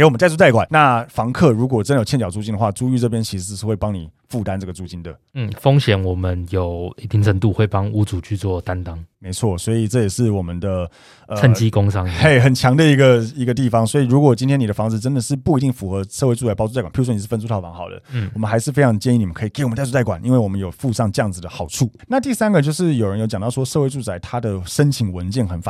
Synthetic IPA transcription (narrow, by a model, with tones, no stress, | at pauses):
ke˧ɪwmə˦nt̪a˥ɪt͡su˥t͡sa˥˩ɪkwa˨˩˦na˥˩fɑ˧˥ŋkʰɤ˥˩ɻu˧˥k̬wɔ˨˩ə˥ndə˩jʰjnt͡ɕjɑ˨˩ʊt͡su˥˩t͡ɕi˥ndə˨˧xwa˥˩ʈ͡ʂu˥y˥˧ʈ͡ʂɤ˥˩p̬jɛ˥nt͡ɕʰi˧˥ʂɻ̩˧˥ʂ̩˥˧ʂɻ̩˥˧xwe˥˩ɪpɑ˥ŋni˨˩ | fu˥˧˩t̪a˥˦nʈ͡ʂɤ˥˩ɡə˩t͡su˥˩t͡ɕi˧˥nd̪ə˨ | n̩˥˩fo˥ŋɕjɛ˨˦nwɔ˨˩mə˦njo˨˩ʊi˥˩t̪ʰi˧˦ŋt͡sʰə˧˦t̪u˥˧xwe˥˩ɪpɑ˦ŋu˧˥t͡su˨˩t͡ɕʰy˥˧t͡swɔ˥˨t̪a˦˥nt̪ɑ˥ŋme˧˥ɪt͡sʰwɔ˥˩swɔ˧˥i˨˩ʈ͡ʂɤ˥˩jɛ˨˩ʂɻ̩˥˩wɔ˨˩mə˦nd̪ə˧ | ə˨t͡sʰə˥˩nt͡ɕi˥ko˥ŋsɑ˦˥ŋe˥˩ɪxə˨˩nt͡ɕʰjɑ˧˥ŋd̪ə˧i˧˥ɡə˧i˧˥ɡə˧t̪̬i˥˩fɑ˩˦ŋswɔ˧˥i˨ɻu˧˥kwɔ˨˩t͡ɕi˥ntʰjɛ˥ni˨˩də˦fɑ˦˥ŋd͡zɹ̩˨˩ʈ͡ʂə˥nd̪ə˨ʂɻ̩˥˩˨pu˥˩i˧t̪̬i˥˩ŋfu˧˥xɤ˧˦ʂɤ˥˧we˥ɪʈ͡ʂu˥˩t͡sa˧ɪpɑ˥ʊt͡su˥˧a˥˩ka˨˩pi˥˧˥wni˨˩ʂ̩˥˩fə˥˧su˥t̪ʰʊfɑ˧˥ŋxɑ˨˩ʊd̪ə̰˦˥˩wɔ˨mə˦nxa˧˥ɪʂɻ̩˥˩fe˥ɪɑ˧ŋd̪ət͡ɕjɛ˥˧ni˥˩˨ni˨˩ə˦kʰɤ˧˥i˨˩kɪwə˨˦t̪a˥˧u˥˩t͡sa˥˩kwa˨˩nʔḭ˧˥nwe˥˩wɔ˨˩mə˦njo˨˩ʊfu˥˧ʂɑ˥˧ŋʈ͡ʂə˥˧jɑ˥˩ŋd͡zɹ̩˨˩d̪ə˩xɑ˨˩ʊʈ͡ʂʰu˥˩na˥˧t̪i˥˩sa˥nɡə˨t͡ɕjo˥˧ʊʂ̬ɻ̩˥˩jo˨˩ʊɻə˦njo˧˥t͡ɕjŋt̪ɑ˥˩ʂwɔ˥ʂɤ˥˧we˧t͡su˥˩t͡sa˧˥ɪt̪ʰa˥d̪ə˨ʂə˥nt͡ɕʰi˧˥ŋwə˧˦nt͡ɕjɛ˥˩nxə˧˥nfa̰˨